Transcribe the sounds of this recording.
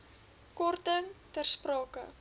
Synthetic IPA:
kɔrtətɛrsprɑːkə̰

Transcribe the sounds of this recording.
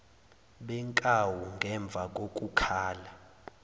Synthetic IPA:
ɓɛŋkʼawuŋɡʱɛɱb̪vʱakʼokʼukʰaːla

